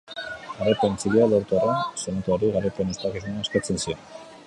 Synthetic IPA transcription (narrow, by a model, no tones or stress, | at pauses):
aɾepent͡silialoɾt̪orensonat̪uaɾiɣaɾepɾenist̪aakisunaːskat͡sensio̞n